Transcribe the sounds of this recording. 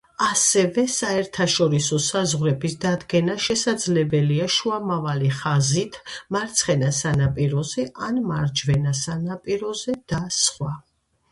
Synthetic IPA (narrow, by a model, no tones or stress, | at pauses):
asɛvɛsaɛɾt̪ʰaʃɔɾisɔsazʁɾɛbisd̪ad̪ɡɛnaʃɛsad̪zlɛbɛliaʃuamavaliχazit̪ʰmaɾt̪sʰχɛnasanapʼiɾɔzɛʔanmaɾd͡ʒvɛnasanapʼiɾɔzɛd̪̥asχwa